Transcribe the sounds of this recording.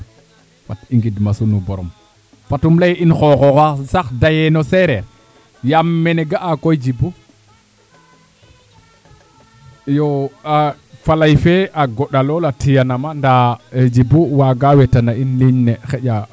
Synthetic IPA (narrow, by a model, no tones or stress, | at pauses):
fatiŋɡidmasunubɔɾɔ̰m | fatumlajinxɔkɔxasaxdajenɔseɾɛɾ | jamːɛneɡaʔakojd͡ʒibu | joa | falajfeʔaɡɔɗalɔlatijanamandad͡ʒibuwaɡawetanainliɲnexeʄa